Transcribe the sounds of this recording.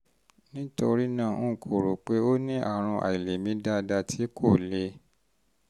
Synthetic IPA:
nĩ˦to˧ɾi˦nãː˦˨ũ˦˨kʰo˨ɾo˨k͡pe˦o˦nĩ˦ʔa̰˦˨ɾ̃ũ˧ʔa̰˨i˨le˨mĩ˨˦da˧da˧tʰi˨˦kʰo˦˨le˧˦

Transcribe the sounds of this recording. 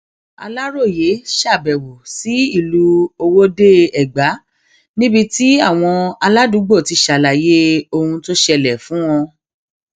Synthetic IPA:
a̰˧la˦ɾo˦˨je˨˦ʃa˦˨bɛ˨wo˨si˨˦i˦˨lu˦o˧wo˦de˦ɛ˦˨ɡ͡ba˨˦ | nĩ˦bi˧ti˦a˦˨w̃ɔ̃˧a˧la˦du˨˦ɡ͡bo˦˨ti˧ʃa˨la˨je˦o˧hũ˧to˦ʃɛ˧lɛ˨fũ˨˦wɔ̃˧

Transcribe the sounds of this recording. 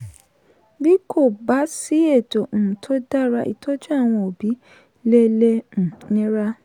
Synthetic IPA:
bi˦kʰo˦˨ba˨˦si˨˦e˦˨tõ˨tʰo˦da˦˨ɾa˦ʔḭ˨tʰo˦d͡ʒu˦a˦˨w̃ɔ̃˧o˨bi˨˦ | le˦le˦n̩˨nĩ˦ɾa˦

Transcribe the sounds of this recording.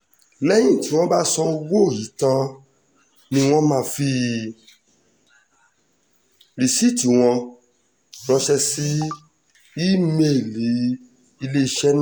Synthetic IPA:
lɛ˦j̃ĩ˦˨ti˨˦w̃ɔ̃˦ba˦sɔ˧wo˦˨ji˨˦tã˧ | nĩ˧w̃ɔ̃˦mãː˦˧fi˧˦ | ɾi˨si˦˨ti˨˦w̃ɔ̃˧ | nɔ̃˧ʃɛ˧si˦ | i˦me˦˨li˨˦ | i˧le˦i˧ʃɛ˦ñ˦

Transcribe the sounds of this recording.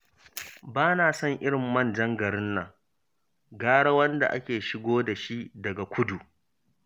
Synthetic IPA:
baː˦naː˨sɐ˦ŋʔɪ˦ɽɪ˨mːɐ˦˨nd͡ʒɐ˦ŋɡɐ˨ɽɪ˦nːa˨ | ɡaː˦ɽɐ˦wɐ˦nda̰˨ʔa̰˦kʲeː˨ʃɪ˦ɡʷoː˦da˨ʃi˦dɐ˨ɡa˨kʷʰʊ˦du˨ʔ

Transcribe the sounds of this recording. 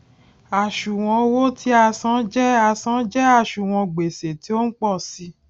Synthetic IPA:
a˨ʃu˨w̃ɔ̃˧wo˦tʰi˦a˧sã˦d͡ʒɛ˦a˧sã˦d͡ʒɛ˦a˦˨ʃu˨w̃ɔ̃˧ɡ͡be˨se˨ti˨˦o˦n̩˦k͡pɔ˦˨si˧˦

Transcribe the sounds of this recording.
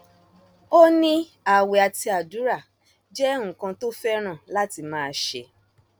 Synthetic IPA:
o˦nĩ˦ | a˨wɛ˨a˨ti˧a˨du˨˦ɾa˦˨ | d͡ʒɛ˦ŋ̩̃˦˨kã˧to˦fɛ˦ɾ̃ã˦˨la˦ti˧mãː˦˧ʃḛ˧

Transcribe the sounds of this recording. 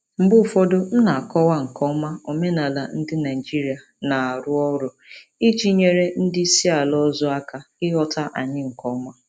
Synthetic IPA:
m̩˨bʊ˦˨fo˦do˦n̩˦na˨a˨kɔ˦wa˦ŋ̩˨kɔ˦ma˦o˨me˦na˨la˨n̩˦dɪ˦na˨i˨d͡ʒi˦ɾi˨a˨ | na˨a˨ɾʊ˦ɔ˦ɾʊ˨ | i˦t͡ʃi˦ɲe˨ɾe˦n̩˦dɪ˦si˦a˨lɔ˦zɔ˦a˦ka˨ɪ˦ɦɔ˦ta˦ʔa˨ɲɪ˦ŋ̩˨kɔ˦ma˦

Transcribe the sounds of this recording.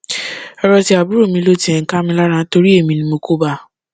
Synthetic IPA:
ɔ˧ɾɔ˧ti˧˦a˨bu˦ɾo˦˨mĩ˧lo˦ti˦ɛ̃˨ŋ̩˨ka˦mĩ˧la˦ɾ̃ã˧˦to˧ɾi˦e˦˨mĩ˧nĩ˧mo˧ko˦ba˦˧˨

